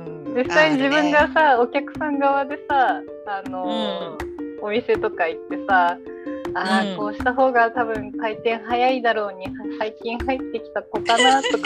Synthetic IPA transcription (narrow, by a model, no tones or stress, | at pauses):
ɯ̃d͡ʑisːaid͡ʑibɯ̟̃ŋɡasao̞kʲakɯ̟̥sãŋɡaβad̪e̞saː | no̞ | omʲise̞t̪o̞kait̪ːe̞sa | ako̞ːɕi̥t̪aɦo̞ːɡat̪abɯ̟̃ŋkait̪ẽ̞ɰ̃ɦajaid̪aɾo̞ːɲ̟isaikʲĩɰ̃hait̪ːe̞kʲi̥t̪akok̪anat̪o̞k